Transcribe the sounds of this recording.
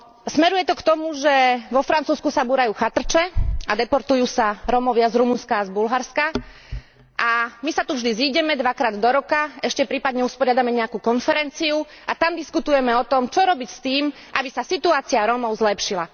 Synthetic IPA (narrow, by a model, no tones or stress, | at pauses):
smɛɾujɛt̪ɔkt̪ɔmuʒɛʋɔfɾant͡suːskusabuːɾajuːxat̪r̩t͡ʃɛad̪ɛpɔɾt̪ujuːsaɾɔmɔʋɪazɾumunskazbulɦaɾska | ʔamisat̪uvʒd̪iziːɟɛmɛd̪ʋakɾaːd̪d̪ɔɾɔkaɛʃcɛpɾiːpad̪ɲɛuspɔɾɪad̪amɛɲɛakukɔnfɛɾɛnt͡siuʔat̪amd̪iskut̪ujɛmɛɔt̪ɔmt͡ʃɔɾɔbicst̪iːm | ʔabisasit̪uaːt͡siaɾɔmɔʊzlɛpʃila